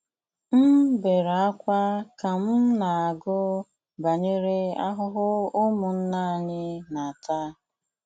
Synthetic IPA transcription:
m̩˦be˨ɾa˦kʷa˦ka˨m̩˦na˨a˨ɡʊ˦ | ba˨ɲe˦ɾe˦a̰˦ɦʊ˦ɦʊ˦ʊ˦mʊ˨n̩˦na˦˨ɲɪ˦na˨ta˦

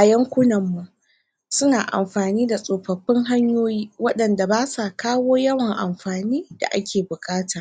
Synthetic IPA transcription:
ʔa˨jɐ˦ŋkʷʊ˦nɐ˨mːu˨ʔ | sʊ˦naː˨ʔa̰˨mɸaː˨niː˦da˨sʼoː˨ɸɐ˨ɸːɪ˦ŋɦa˦ɲjoː˦jiː˦wɐ˦ɗɐ˨nda˨baː˦sa˨kaː˦woː˦jɐ˦wɐ˨ŋʔa˨mɸaː˨niː˦d̥a̰˨ʔa˦kʲʰeː˨bʊ˨kʼaː˦tʰaː˨

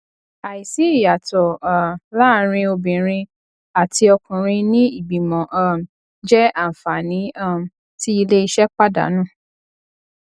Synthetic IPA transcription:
a˨i˨si˨˦i˦˨ja˨tɔ˨a˨la˦˨ɾ̃ĩ˧o˧bĩ˨ɾ̃ĩ˧ | a˨ti˧ɔ˧kũ˨ɾ̃ĩ˧nĩ˦i˦˨bi˨mɔ̃˨ʔa˦˨m̩˨ | d͡ʒɛ˦a˦˨fa˨nĩ˨˦a˦˨m̩˨ | ti˦i˧le˦i˦˧ʃɛ˦k͡pa˦da̰˨˦nũ˦˨

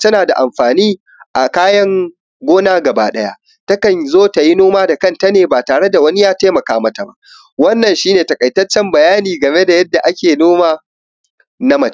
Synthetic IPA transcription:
tɐ˦naː˨da˨ʔa˨mɸaː˨niː˦ | ʔa˨kaː˦jɐ˦ŋ | ɡʷoː˦naː˦ɡɐ˨baː˦ɗɐ˦ja̰˦ʔ | tɐ˦kɐ˨nzoː˦ta˨ji˦noː˦maː˦da˨kɐ˦nta˦neː˨baː˨taː˨ɽe˦da˨wɐ˦ni˦jaː˦teː˦mɐ˨kaː˦mɐ˦ta˨ba̰˦ʔ | wɐ˦nːɐ˨nʃiː˦neː˨tɐ˨kʼɐ˨jtɐ˦t͡ʃːɛ˦mbɐ˨jaː˦niː˨ɡɐ˨me˦da˨jɐ˦dːa˨ʔa˦kʲeː˨noː˦maː˨ | na˦mɐ˨t͡ʃː

